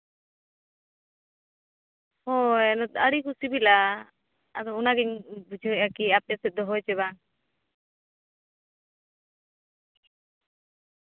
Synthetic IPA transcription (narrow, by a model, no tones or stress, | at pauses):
hɔɛnɔt̪aɽikusibila | ad̪ɔunaɡɛɲbud͡ʒʱɔʔakiapɛsɛt̪̚d̪ɔɦɔjt͡ʃɛβaŋ